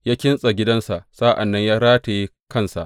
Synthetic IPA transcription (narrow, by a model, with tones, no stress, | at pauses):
jaː˦kʲɪ˦nsʼa˨ɡʲɪ˦dɐ˦nsa˨ʔsa˦ʔa˨nːɐ˦ɲjaː˦ɾaː˦ta˨ji˦ | kɐ˦˨nsa̰˨ʔ